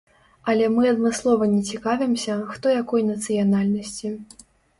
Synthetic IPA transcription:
ɐlʲɛmɨɐd̪mɨslˠɔvɐnʲɛt͡sʲikavʲɛmsʲɐxt̪ɔjakɔjnɐt̪sɨjanalʲnɐsʲt͡sʲi

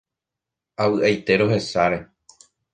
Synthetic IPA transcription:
awɨʔajt̪e̞ɾo̞ɦe̞saɾe̞

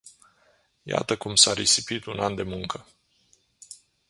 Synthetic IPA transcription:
ja̰t̪əkumsaɾesipit̪unand̪e̞muŋkə

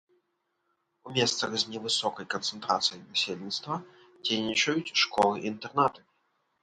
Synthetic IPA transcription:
umʲɛst̪sɐxzʲnʲɛvɨsɔkɐjkɐnt̪sɨnt̪ɾa̰t̪sɨjɐjvʲasʲelʲnʲit̪st̪vɐ | d͡zʲejnʲit͡ʂɐjut͡sʲʂkɔlˠɨʔint̪ɛrnat̪ɨ

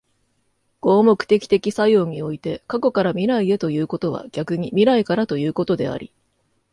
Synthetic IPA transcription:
ɡ̥o̞ːmo̞kɯ̟̥t̪e̞kʲi̥t̪e̞kʲisajo̞ɲ̟io̞it̪e̞kako̞kaɾamʲiɾaid̪e̞t̪o̞jɯ̟ːko̞t̪o̞βa̰ɡ̥ʲakɯ̟ɲ̟imʲiɾaikaɾat̪o̞jɯ̟ːko̞t̪o̞d̪e̞̰a̰ɾʲḭ

